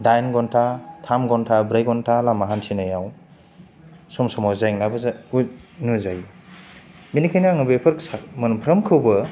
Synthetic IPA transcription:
dajnɡɔntʰatʰamɡɔntʰabɾajɡɔntʰalamaɦantʰinajaw | sɔmsɔmawzajŋnabɯzaunuzaj | minikʰajnaaŋɯbepʰɯɾksamɐnpʰɾɐmkʰɯwbɐ

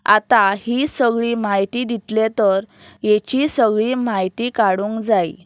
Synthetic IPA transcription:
a̰t̪ahisəɡɭiːmaɦjt̪id̪it̪let̪əɾ | jet͡ɕisəɡɭiːmajt̪ikaɽũːŋkd͡zaḭ

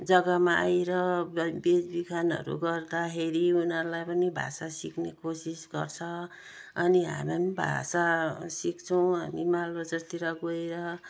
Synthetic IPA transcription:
d͡zʌɡʌmaʔajɾʌbed͡zbikʰanʌ̰ɾṵɡʌrd̪akʰeɾiunʌɾulajpʌnibʱa̰sasiknekosisɡʌrt͡sʰʌ | ʌniɦa̰mamibʱa̰sasikt͡sʰʌw̃ɦanimalod͡zʌt̪iɾʌɡoeɾʌ

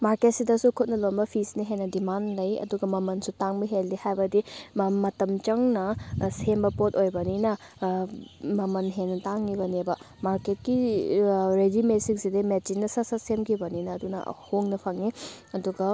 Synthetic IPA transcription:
maɾket̚sidɐsukʰut̚nɐlonbɐpʰisniɦenːɐdimanlɐjɐ̰duɡɐmɐmɐnsutaŋbɐɦeldihajbɐdimɐtɐmt͡ʃɐŋnɐsembɐpot̚ojbɐninɐ | mɐmɐnɦenːɐtaŋːibɐnebɐ | maɾket̚ki | ɾed͡ʒimesiŋsidɐmet͡ʃinːɐsɐsɐsemkʰibɐninɐːdunɐ̰hoŋnɐpʰɐŋni | ɐduɡɐ

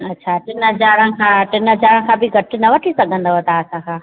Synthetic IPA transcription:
ɐtːɕʰaʈɪnɦəd͡ʑaːɾə̃kʰãːʈɪnɦəd͡ʑaːɾə̃kʰãːbɪɡʱɐʈʰɪ̆nɐʋɐʈʰisɐɡʱə̃nd̪oɦɐt̪aɐsãkʰãː

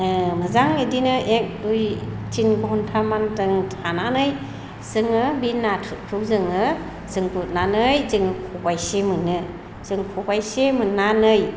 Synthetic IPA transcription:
mɯzaŋedinɯʔek̚duj | t͡ʃinɡɔɦɔntʰamantɯŋtʰananɯj | z̥ɯŋɯbinːatʰɯt̚kʰɾɯwzɯŋɯ | z̥ɯŋput̚nanɯjzɯŋɯkʰubajsemɯnɯ | z̥ɯŋkʰubajsemɯnːanɯj

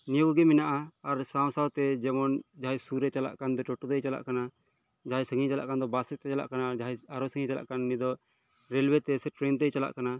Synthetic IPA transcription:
niuɡɛminaʔaːɾsãw̃sawt̪ɛd͡ʒɛmɔnd͡ʒaɦajsuɾɛt͡ʃala̰ʔkand̪ɔʈɔʈɔt̪ɛjt͡ʃala̰ʔkana | d͡ʒaɦajsəŋit͡ʃala̰ʔkand̪ɔbasɛt̪ɛt͡ʃala̰ʔkanad͡ʒaɦajaɾɔsəŋĩt͡ʃala̰ʔkanːid̪ɔ | ɾɛlwɛt̪ɛsɛʈɾɛnt̪̬ɛjt͡ʃala̰ʔkana

